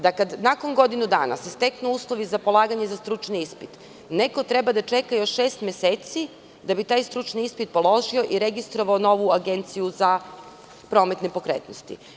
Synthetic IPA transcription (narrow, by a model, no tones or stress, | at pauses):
d̪akad̪nako̞ŋɡo̞d̪inud̪a̰ːna̰sest̪eknuuːslˠo̞ʋizapo̞lˠaːɡaɲe̞zast̪ɾut͡ʃniispit̪ | neko̞t̪ɾebad̪at͡ʃe̞kajo̞ʃʃeːst̪mʲeseːt̪si | d̪abit̪aːjst̪ɾut͡ʃniispit̪̚po̞lˠo̞ʒioʔiɾeɡist̪ɾo̞ʋaono̞ʋuaɡe̞nt̪sijuza | pɾo̞met̪nepo̞kɾḛt̪no̰st̪ḭ